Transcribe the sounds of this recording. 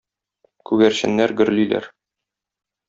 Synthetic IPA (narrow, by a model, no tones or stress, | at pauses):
kʉɡæɾɕɘ̰̆nːæɾɡɵ̆ɾlilæ̰ɾ